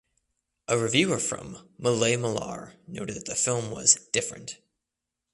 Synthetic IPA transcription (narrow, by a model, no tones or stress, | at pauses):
ʔəɹɨvjʉə˞fɹʌ̰̃mːəleɪməlɑ̰ɹnoʊɾɨd̪̚ðɨt̪̚ðəfɪlˠmwʌ̰zd̥ɪfɹɨ̰̃nt